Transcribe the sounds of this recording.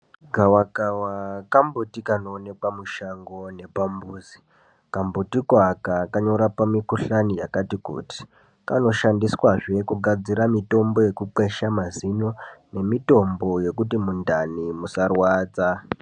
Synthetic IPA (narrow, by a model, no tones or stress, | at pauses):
ɡʱawakawakambutikanoːne̞kwamuʃaŋɡo̞ne̞pambuːzi | kambutikwakakaɲo̞ɾapamikuɬanijakatikṵːti̥ | kano̞ʃandiswaʐe̞kuɡʱad͡ziɾamito̞mbo̞je̞kuǃeʃamazino̞ne̞mito̞mbo̞je̞kutimundanimusarwaːt͡sa